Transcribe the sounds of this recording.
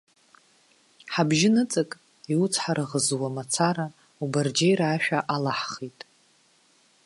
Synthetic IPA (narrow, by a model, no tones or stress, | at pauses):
ħabʒɪnɨt͡sʼɨkʼ | iwut͡sʰħaɾaʁəzwamat͡sʰaɾa | ubard͡ʒejɾaːʃᶣaʔalaħχitʼ